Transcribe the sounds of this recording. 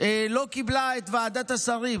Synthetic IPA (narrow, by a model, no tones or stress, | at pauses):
elo̞kiblaet̪vaːd̪at̪asaʁim